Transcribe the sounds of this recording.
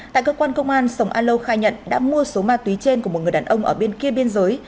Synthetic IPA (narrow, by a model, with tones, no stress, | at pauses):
t̪a̰ː˧˨kəː˧kwaː˧nkə˧wŋ͡mʔaː˧nsə˨˩wŋ͡mʔaː˧nlə˧wxaː˧jɲə̰˧˨nɗa̰ː˧˥mu˧əso˨˦maː˧t̪wi˨˦t͡ɕe˧nku˧˩o˨˩t̚ŋɨ˨˩ə˩ɗaː˨˩nʔə˧wŋ͡mʔəː˧˩ɓe˧nki˧əɓi˧ənzəː˨˦j